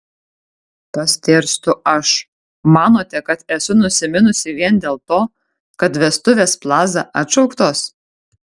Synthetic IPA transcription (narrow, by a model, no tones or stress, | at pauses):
pɐsʲt̪ʲeːɾʲst̪ʊɐʃ | mɑːnoːt̪ʲɛkɐt̪ɛsʊnʊsʲɪmʲɪnʊsʲɪʋʲiɛnd̪ʲeːlˠt̪oː | kɐt̪ʋʲɛst̪ʊʋʲeːsplˠɑːzɑ̰ʔɐt̪ʃɐʊkt̪oːs